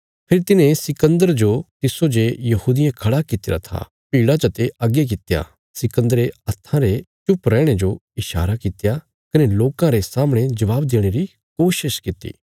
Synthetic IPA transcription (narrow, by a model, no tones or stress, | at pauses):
pʰɪɾit̪ɪnẽsɪkə̃nd̪əɾd͡ʒot̪ɪsod͡ʒejɐhuːd̪ɪjãkʰɐɽakɪt̪ɪɾa̰t̪ʰa̰ | piːɽat͡ʃɐt̪eɐɡjek̬ɪt̪eja̰ | sɪkə̃nd̪əɾeɐst̪ʰãɾet͡ʃʊpɾɛ̃ːɽ̃ed͡ʒoɪʃa̰ːɾakɪt̪eja | kɐneloːkãɾesaːmɽ̃ed͡ʒɐʋaːbd̪eːɽ̃eɾi | koːʃɪʃkɪt̪ːḭː